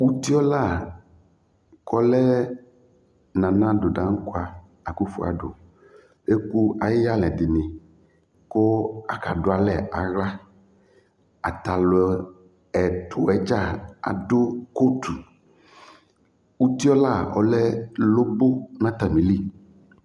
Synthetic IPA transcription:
wu˦t̪i˦ɔ˦la˦˨ | kɔ˦lɛ˦ | nã˨nã˦do˨ɖã˨˦ŋ̩˦ko˦a˨ | a˨ku˦fu˦a̰˨ɖo̰˨ | e˦ku˦a˨jɪ˦ja˦lɛ̃˨dɪ˨nɪ̃˨ | ko˦a˨ka̰˨do˨˦a˨lɛ˨ʔa˨ɣa˦ | a˨t̪a˨lo˨ | ɛ˨t̪ʰʊ˨ɛ˦d͡ʒa˦˨a̰˨do˦ko˦t̪ʰu˨ | wu˦t̪i˦ɔ˦la˦˨ɔ˨˦lɛ˦lo˦bo˦nã˦t̪a˨mĩ˨li˦

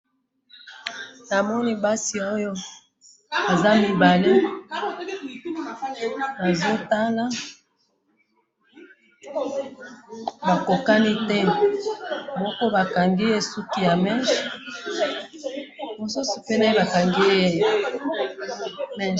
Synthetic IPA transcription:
na˨mɔ˦ni˦ba˦si˨o˦jo˦ | a˨za˦mi˨ba˨le˦ | ba˨zo˦ta˦la˦ | ba˨ko˨ka˦ni˦tɛ˦ | mɔ˦kɔ˦ba˨ka˨ŋɡi˦e˦su˦ki˨ja˨mɛ˦ʃ | mo˨su˦so̥˨pe˦na˦e˦ba˨ka˨ŋɡi˦e˦˨ | mɛ˨

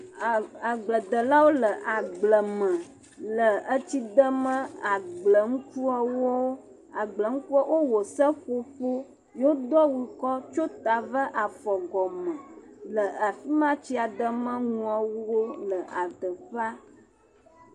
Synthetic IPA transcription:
a˨ɡ͡blə˨d̪ə˨la˦wo˦lə˨ʔa˨ɡ͡blə˨mə̃˨ | lə˨ə˦t͡ɕi˦d̪ə˦mə̃˦a˨ɡ͡blə˨ŋũ˦ku˦a˨wo˦ | a˨ɡ͡blə˨ŋ̩̃˦ku˦a˦wʔo˦wo˨sə˦ɸo˦ɸo˦ | jo˦d̪ɔ˦wi˨kɔ˦t͡ʃo˦t̪a˨və˦ʔa˨fɔ˨ɡɔ˨mə̃˨lə˨a˨fi˦mã˦t͡ɕi˦a˨d̪ə˦mə̃˦ŋũ˨a˨wwo˦lə˨ʔa˨d̪ə˨ɸa˦

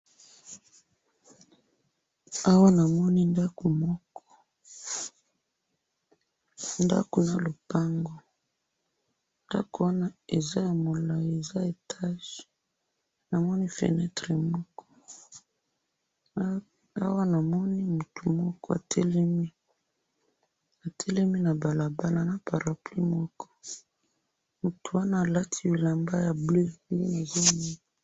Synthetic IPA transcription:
a˦wa˦na˨mɔ˦ni˦nda˦ko˨mɔ˦kɔ̥˦ | nda̰˦ko˨na˨lo˨pa˦ŋɡɔ˨ | nda̰˦ko˨wa˦na˦e˨za˦ja˨mo˨la˨e˨za˦e˨tʰa˦ʒi̥˨ | na˨mɔ˦ni˦fḛ˨nɛ˦tʁɛ˨mɔ˦kʰɔ̥˦ | a˦wa˦na˨mɔ˦ni˦mu˨tu˨mɔ˦kɔ˦a̰˨tʰɛ˦lɛ˦mi˦ | a˨tʰɛ˦lɛ˦mi˦na˨ba˨la˨ba˦la˨na˦pa˨ɾa˨pli˦mɔ˦kɔ̥˦ | mu˨tu˨wa˦naː˦˨la˦tʰi˦wi˨la˨mba˦ja˨ble˦e˦na˨za˦mi˦˨

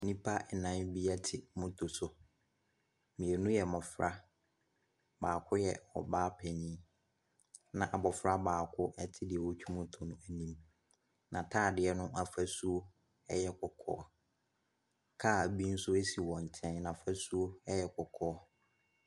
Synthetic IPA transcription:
nĩ˦pʰa˦ɛ˨nã˨˦bi˦a˦tʰɪ˨mʊ̃˦tʰʊ˨sʊ˨ | mĩ˨e˨nʊ̃˦jɛ˨mɔ̃˨fɾa˦ | baː˨kʰʊ˦jɛ˨ɔ̰˨baː˦pʰɛ˨nĩ˦ | nã˨ʔa˨bɔ˨fɾa˦baː˨kʰʊ˦ʔɛ˦tʰɪ˦dɪ˨ɛ˨wɔ˦t͡ɕᶣʰu˦mʊ̃˦tʰʊ˨nʊ̃˦æ˨nĩ˦m | nã˨tʰaː˦˨dɪ˨ɛ˦nʊ̃˦ʔa˨fæ˦su˦o˦ | ɛ˦jɛ˦kʰɔ˨kʰɔ̰ː˦ | kʰa˦˨bi˦n̩˦sʊ˦æ˦si˨wɔ̃˨n̩˨tʰɛ̃˦nnã˨fæ˦su˦o˦ɛ˦jɛ˦kʰɔ˨kʰɔː˦ɔ˦

